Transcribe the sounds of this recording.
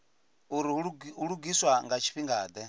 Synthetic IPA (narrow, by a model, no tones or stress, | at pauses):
uɾiuɺuɡiswaŋɡat͡ʃʰi̥ɸiŋɡaːd̪ɛ